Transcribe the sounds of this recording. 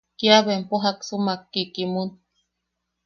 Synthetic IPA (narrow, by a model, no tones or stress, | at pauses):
kiaβempoɦaksumakːikimun